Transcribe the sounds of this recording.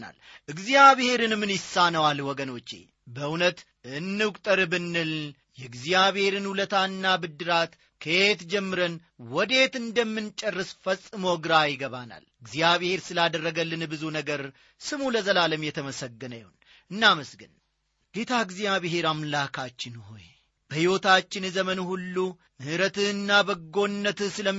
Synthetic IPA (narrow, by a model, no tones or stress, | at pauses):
na̰lʔɨɡzijaβɨhe̞ɾɨnmɨnjɪsanəwalwɔɡəno̞t͡ʃːe̞̰ | bəunət̪ | ɨnːɨkʼt̪ʼəɾɨbɨnːɨl | jɛɡzijaβhe̞ɾɨnhulət̪ʰaɨnːabɨd̪ːɨɾat̪ | kʰet̪d͡ʒɛmːɨɾən | wɔd̪e̞t̪ɨnd̪əmːɨnt͡ʃʼːərːɨsfəsʼɨmoɡɨɾajɪɡəβana̰lɡzijaβhe̞ɾsɨlad̪ərːəɡəlːɨnbɨzunəɡəɾ | sɨmuləzəlaləmjɛt̪ʰəməsəɡːənəjun | ɨnːaməsɡɨn | ɡ̥e̞t̪ʰaɡzijaβɪɦe̞ɾamlakʰat͡ʃːɪnɦo̞̰j | bəhiwo̞t̪at͡ʃːɪnzəmənuhulːu | mɨhɨɾət̪ɨnːabəɡːo̞nːət̪ɨsɨlə